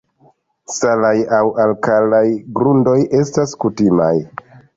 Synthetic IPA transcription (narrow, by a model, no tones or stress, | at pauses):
salajawʔalkalajɡɾundo̞jʔe̞staskutima̰j